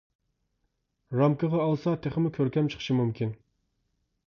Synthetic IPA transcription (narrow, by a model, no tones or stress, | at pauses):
ɾɑmkəʁɑːlˠsɑt̪ʰeχɪmukʲʰøɾkʲɛmt͡ʃʰə̥χə̥ʃimumkʲin